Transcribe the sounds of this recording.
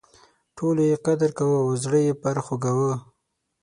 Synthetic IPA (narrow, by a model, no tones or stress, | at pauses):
ʈʰolojeqad̪aɾkawəawzɽəjepaɾaxoɡawə